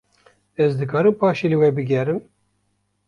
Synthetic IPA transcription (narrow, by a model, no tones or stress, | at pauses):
ɛzd̪ɨkɑːɾɨmpɑːʃilɨwɛbɨɡʲɛɾɨm